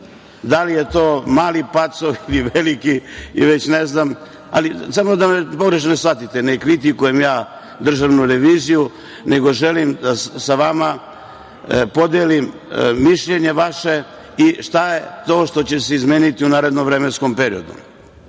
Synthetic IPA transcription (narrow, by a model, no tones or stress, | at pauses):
d̪alije̞t̪o̞ːmaːlipat̪soʋiliʋelikiiʋe̞t͡ɕneznam | a̰lisamod̪amepo̞ɡɾe̞ʃ̬nesʋat̪it̪e̞nekɾit̪ikuje̞mjaː | d̪r̩ʒaʋnuɾe̞ʋiːziju | ne̞ɡo̞ʒe̞limd̪assaʋama | po̞d̪eːlimːiʃʎeɲe̞ʋaʃe̞ | iʃt̪ajet̪o̞ːʃt̪o̞t͡ɕe̞seizmeːnit̪iunaːɾe̞d̪noʋɾeːmensko̞mpe̞ɾio̰d̪ṵm